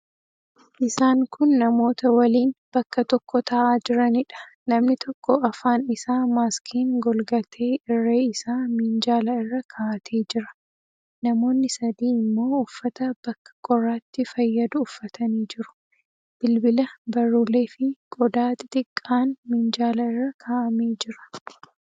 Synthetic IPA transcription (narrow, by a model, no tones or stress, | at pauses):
ʔɪsaːŋkʰʊnːɐmo̞ːt̪ɐwɐliːnb̥ɐkːɐt̪ɔkːɔt̪ʰɐʔaːd͡ʒɪɾɐnɪᶑɐ̥ | nɐmnɪt̪ɔkːɔɐfaːnɪsaːmaːskʰiːŋɡɔlɡɐt̪ʰe̞ːɪrːeːɪsaːmind͡ʒaːlɐɪrːɐkʰaʔɐt̪ʰe̞ːd͡ʒɪɾɐ̥ | nɐmo̞ːnːɪsɐd̪iːɪmːo̞ːʊfːɐt̪ɐb̥ɐkːɐ̥kʼɔrːaːt̪ːɪfɐjːɐd̪ʊːfːɐt̪ʰɐniːd͡ʒɪɾʊ̥ | b̥ɪlbɪlɐbɐrːuːle̞ːfɪɡʼɔd̪aːt̪ɪt̪ɪkʼːaːnmɪnd͡ʒaːlɐɪrːɐkʰaːʔɐmeːd͡ʒɪɾɐ̥